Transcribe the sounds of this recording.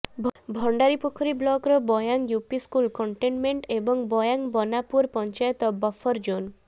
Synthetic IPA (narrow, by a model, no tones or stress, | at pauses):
bʱbʱɔɳɖaɾipokʰɔɾiblɔkɾɔbɔjaŋjupiskulkɔɳʈenmeɳʈebɔŋbɔjaŋbɔnapuɾpɔnt͡ʃajɔt̪ɔbɔfʰɔɾd͡ʒon